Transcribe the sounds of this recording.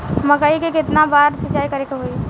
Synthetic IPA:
məɡəikekɪt̪nabaɾsiːt͡ʃaikəɾekeɦoj

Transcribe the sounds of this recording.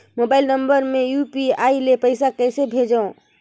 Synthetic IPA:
moːbaːɪlnə̃mbəɾmẽjuːpiaːilepəɪsakɛːsebʱeːd͡ʒõ

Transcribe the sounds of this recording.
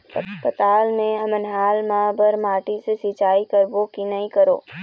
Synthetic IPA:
pət̪aːlmẽɐmənɦaːlmãːbəɾmaːʈisesiːt͡ʃaːikəɾbokinɐĩkɐɾo̰ː

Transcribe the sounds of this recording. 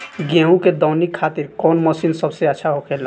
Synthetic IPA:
ɡɛ̃ɦũked̪ɔːnikʰːat̪iɾkɔnməsinsəbseətːʃʰaɦokʰela

